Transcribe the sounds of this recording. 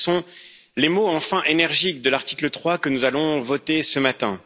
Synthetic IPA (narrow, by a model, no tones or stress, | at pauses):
sɔ̃ | lemoɑ̃fɛ̃ʔenɛʁʒik̚d̪əlaʁt̪i̥klət̪χwakənuzalɔ̃vɔt̪esəmat̪ɛ̃